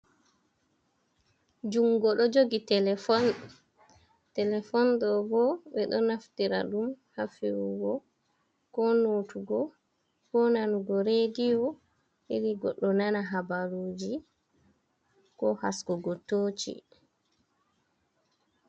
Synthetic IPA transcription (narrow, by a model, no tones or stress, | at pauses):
d͡ʒuŋɡɔɗɔd͡ʒoɡitɛlɛfɔn | tɛlɛfɔndɔbɔɓɛɗɔnaftiɾa̰ɗumhafiwuɡɔ | kɔnotuɡɔ | kɔnanuɡɔɾedijɔ | iɾiɡɔɗːɔnanaɦabaɾoːd͡ʒi | kɔha̰skɔɡɔtːoːt͡ʃḭ